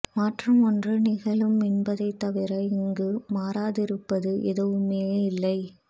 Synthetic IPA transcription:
maːʈrɐmɔndrɯnɪɣɐɭɯmɪnbɐðɐɪt̪ːɐʋɪɾɐɪɪŋɡɯmaːɾaːðɪɾɯpːɐðɯʔɛðɐʋɯmeːɪlːɐɪ

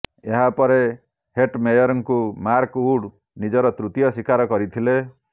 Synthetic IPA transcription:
eɦapɔɾe | heʈmejɔɾɔŋkumaɾkuɽ | nid͡ʒɔɾɔt̪ɾut̪jɔsikaɾɔkɔɾit̪ʰile

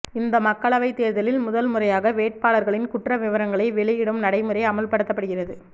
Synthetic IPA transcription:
ɪnd̪ɐmɐkːɐɭɐʋɐɪt̪ːeːɾðɐlɪlmʊðɐlmɯrɐjaːɣɐʋeːʈ̚paːɭɐɾɣɐɭɪnkʊʈrɐʋɪʋɐɾɐŋɡɐɭɐɪʋɛɭɪjɪɽɯmnɐɽɐɪmɯrɐɪɐmɐlpɐɽɯt̪ːɐpːɐɽɯɣɪrɐðɯ

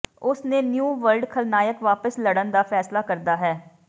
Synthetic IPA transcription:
ʊsneːnjuːʋəɾɖkʰəlnaːjəkʋaːpəsləɽənd̪aːpʰɛːslaːkəɾd̪aːɦɛː

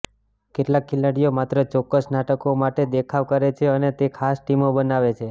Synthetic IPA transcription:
keʈlakʰːilaɽijomat̪ɾət͡ʃɔkːəsnaʈəkomaʈed̪ekʰaʋkəɾet͡ʃʰeənet̪ekʰasʈimobənaʋet͡ʃʰe

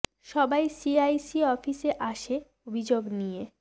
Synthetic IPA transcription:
ʃɔbajsiajsiɔfiseʔaʃe | obʱid͡ʑoɡnije

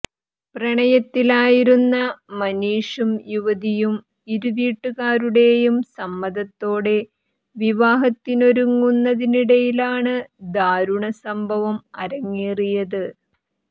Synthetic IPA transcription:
prɐɳɐjɐt̪ːilaːjiɾunːɐmɐniːʂumjuʋɐðijum | iɾuʋiːʈːuɣaːɾuɽe̞jumsɐmːɐðɐt̪ːo̞ːɽe̞ | ʋiʋaːɦɐt̪ːino̞ɾuŋːunːɐðiniɽɐjilaːɳɨd̪aːɾuɳɐsɐmbʱɐʋɐmɐɾɐŋːiːrijɐðɨ

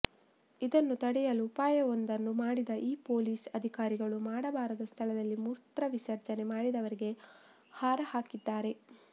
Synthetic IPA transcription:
id̪ɐnːut̪ɐɽɛjɐlupaːjɐond̪ɐnːumaːɽid̪ɐʔiːpo̞ːliːsɐd̪ʱikaːɾiɡɐɭumaːɽɐbaːɾɐd̪ɐst̪ʰɐlɐd̪ɐlːimuːɾt̪ɾɐʋisɐɾt͡ʃɐne̞maːɽid̪ɐʋɐɾiɡe̞ | haːɾɐhaːkid̪ːaːɾe̞

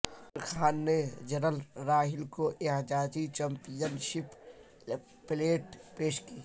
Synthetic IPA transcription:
ɾxʰaːnːed͡ʒɐnəlɾaːɦɪlkoʔeɦd͡ʒaːd͡ʒit͡ʃɐ̃mpijənʃɪp | pleːʈpeːʃkiː

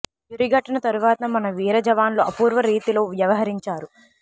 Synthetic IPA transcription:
uɾiɡɐʈːɐnɐt̪ɐɾuʋaːt̪ɐmɐnɐʋiːɾɐd͡ʒɐʋaːnloːɐpuːɾʋɐɾiːt̪ilo̞ːʋjɐʋɐɦɐɾiɲt͡ʃaːɾu

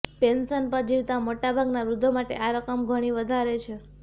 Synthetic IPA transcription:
pensənpəɾd͡ʒiʋt̪amoʈabʱaɡnaɾud̪ʱomaʈḛʔaɾəkəmɡʱəɽ̃iʋəd̪ʱaɾet͡ʃʰe

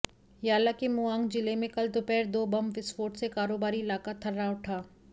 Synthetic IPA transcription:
jaːlakemuãːŋɡd͡ʒɪlemẽkɐld̪ʊpɛːɾd̪oːbɐmʋɪsfoːʈsekaːɾoːbaːɾiɪlaːkat̪ʰɐɾːaʊʈʰaː

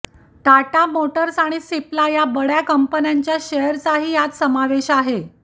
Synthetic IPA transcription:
ʈ̪aʈamoʈəɾsaɽ̃isiplajabəɽjakəmpənjaɲt͡ɕjaɕejəɾt͡saɦiːjat͡ssəmaʋeɕaɦe

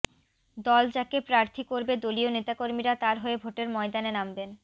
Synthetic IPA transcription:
d̪ɔld͡ʑakepɾaɾt̪ʰikoɾbed̪olionet̪akoɾmiɾat̪aɾɦoebʱoʈeɾmɔed̪anenamben

